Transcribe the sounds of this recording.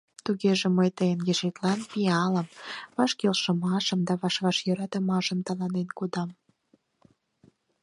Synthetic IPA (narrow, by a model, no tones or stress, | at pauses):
t̪uɣeʒeməjt̪əjənjeʒet̪lɑnpiɑləmβɑʃkelʃəmɑʃəmd̪ɑβɑʃβɑʃjøɾɑt̪əmɑʃəmt̪ɑlɑnenkod̪ɑm